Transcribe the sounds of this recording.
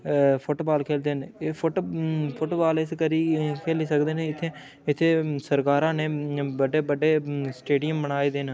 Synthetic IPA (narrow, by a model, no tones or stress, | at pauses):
pʰoʈobaːlkʰeːld̪eːneːpʰʊʈpʰʊʈoːbaːlɪskəɾiːkʰeːliːsəkd̪eːneɪt̪ʰːeː | ɪt̪ʰːeːsəɾkaːɾãːneːbəɖeːbəɖeːsʈeːɖɪjəmbənaːiːd̪eːn